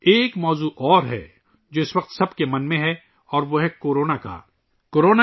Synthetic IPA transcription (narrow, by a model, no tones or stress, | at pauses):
eːkmɔːzuʔɔːɾɦɛ̰ | d͡ʒoːɪsʋɐq̚t̪sɐbkemɐnmẽɦɛ | ɔːɾʋoɦɛkoːɾoːnaka̰ː | koːɾoːna